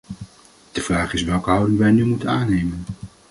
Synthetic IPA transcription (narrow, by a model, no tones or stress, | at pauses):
d̥əvraːχɪsʋɛlˠkəɦɑwdɪŋʋɛjnymutənaːnejmən